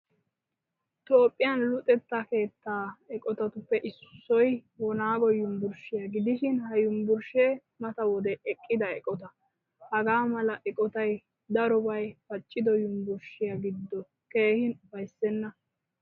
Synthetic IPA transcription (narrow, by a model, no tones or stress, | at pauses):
t̪o̞ːpʼːɪjɐnlʊt̪ʼɛt̪ːɐke̞ːt̪ːaːɛkʼɔt̪ɐt̪ʊpːɛʔɪssːɔjwɔnaːɡɔjʊmbʊɾʃɪjɐɡɪd̪ɪʃɪnhɐjʊmbʊɾʃeː | mɐt̪ɐwɔd̪ɛɛkʼːɪd̪ɐɛkʼɔt̪ɐ | hɐɡaːmɐlɐʔɛkʼɔt̪ɐj | d̪ɐɾɔbɐjfɐt͡ʃʼːɪd̪ɔjʊmbʊɾʃɪjaɡɪd̪ːɔ | ke̞ːhɪnfɐjsːɛnːɐ